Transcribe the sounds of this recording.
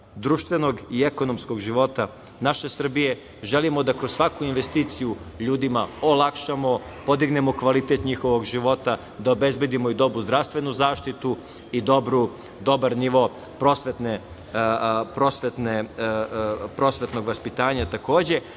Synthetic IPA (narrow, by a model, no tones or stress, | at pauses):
d̪ɾuʃt̪ʋe̞no̞ɡieko̞nomsko̞ɡʒiʋo̞t̪a | naʃe̞sr̩bije̞ | ʒe̞limod̪akɾossʋakuinʋe̞st̪iːt̪sijuʎuːd̪imaolˠakʃamo̞po̞d̪iɡne̞mo̞kʋalit̪e̞t̪ɲixo̞ʋo̞ɡʒiʋo̞t̪a | d̪aobe̞zbe̞d̪imoid̪o̞bɾuzd̪ɾaʋst̪ʋe̞nuzaːʃt̪it̪u | id̪obɾu | d̪o̞baɾniʋo̞ | pɾo̞sʋet̪ne | pɾo̞sʋet̪ne | pɾo̞sʋe̞t̪no̞ɡʋaspit̪aːɲat̪ako̞ːd͡ʑe̞